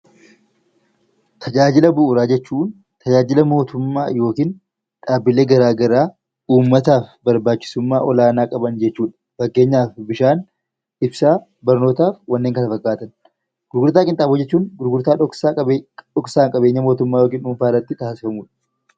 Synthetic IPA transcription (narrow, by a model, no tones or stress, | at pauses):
t̪ʰɐd͡ʒaːd͡ʒɪlɐbʊʔʊɾaːd͡ʒɛt͡ʃːuːn | t̪ʰɐd͡ʒaːd͡ʒɪlɐmo̞ːt̪ʊmːa̰ːjo̞ːkiːn | ᶑaːbːɪle̞ːɡɐɾaːɡɐɾaː | uːmːɐt̪aːfbɐɾbaːt͡ʃːɪ̥sʊmːaːʔɔlaːnaːkʼɐbɐnd͡ʒɛt͡ʃːuːᶑɐ̥fɐɡːe̞ːɲːaːfbɪʃaːn | ɪbsaː | bɐɾno̞ːt̪aːfwɐnːeːŋkɐnɐfɐɡːaːt̪ɐn | ɡ̥ʊɾɡʊɾt̪aːkʼɪnt̪ʼaːbʊd͡ʒɛt͡ʃːuːnɡʊɾɡʊɾt̪aːᶑɔksaːɐᶑɔksaːŋkʼɐbe̞ːɲːɐmo̞ːt̪ʊmːaːjo̞ːkiːnʊmfaːrɐt̪ːɪt̪aːsɪ̥fɐmuːᶑɐ̥